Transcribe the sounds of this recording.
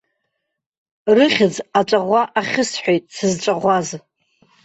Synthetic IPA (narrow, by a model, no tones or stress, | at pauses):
rɨχʲɪd͡zat͡ʃʷʼaʁʷaʔaχʲɪsħʷᶣojtʼsɨzʈ͡ʂʷʼaʁʷaz